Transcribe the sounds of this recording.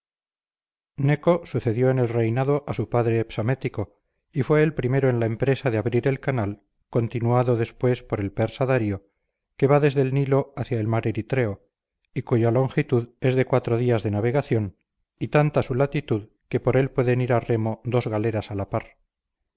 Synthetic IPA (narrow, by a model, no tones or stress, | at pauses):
ne̞ko̞suθe̞ðjo̞ene̞lre̞jnaðo̞ʔasupaðɾeːpsome̞t̪iko̞ | ifwe̞ːlpɾime̞ɾo̞enlaempɾe̞saðeaβɾiɾe̞lkanal | ko̞nt̪inuaðo̞ðe̞spwe̞spo̞ɾe̞lpeɾsaðaɾjo̞ | ke̞βaðe̞zðe̞lnilo̞aθjaelmaɾeɾit̪ɾeo | ikuʝalo̞ŋxit̪uðe̞zðe̞kwat̪ɾo̞ðiazðe̞naβ̞e̞ɣ̞aθjo̞n | it̪ant̪asulat̪it̪uð | ke̞po̞ɾe̞lpwe̞ðe̞niɾare̞mo̞ðo̞zɣale̞ɾasalapaɾ